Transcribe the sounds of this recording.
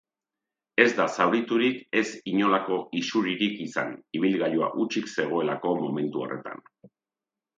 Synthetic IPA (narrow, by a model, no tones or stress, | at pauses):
e̞zd̪asawɾit̪uɾike̞siɲo̞lako̞isuɾiɾikisa̰niβ̞ilɣajua̰ʔut͡ʃikse̞ɣ̞o̞e̞lako̞mo̞me̞nt̪uo̰rʔe̞̰t̪a̰n